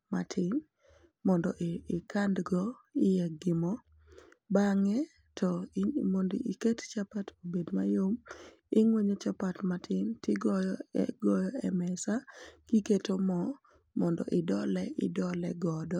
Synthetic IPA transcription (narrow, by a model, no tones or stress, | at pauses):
ma̰tʰɪn | mɔndɔʔːkʰandɡɔɪjɛɡɪmɔ | baŋɛ | tʰɔmondikett͡ʃapatobedmajom | ɪŋweɲet͡ʃapatmatʰɪntɪɡɔjɔɛ̰ɡɔjɔɛmɛsaɡ̥iketomɔ | mɔndɔ̰ʔɪdɔlɛʔɪdɔlɛɡɔdɔ